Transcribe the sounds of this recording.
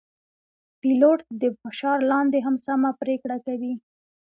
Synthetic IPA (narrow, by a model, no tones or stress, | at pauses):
piloʈ̚d̪əfɪʃɑɾlɑnd̪eɦamsamapɾekɽakawi